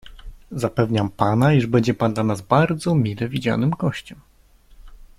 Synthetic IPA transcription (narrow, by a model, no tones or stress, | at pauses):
zapɛvɲampanaiʐbɛɲd͡ʑɛpand̪lanazbaɾd̪zɔmʲilɛvʲid͡ʑa̰nɘmɡɔɕt͡ɕɛm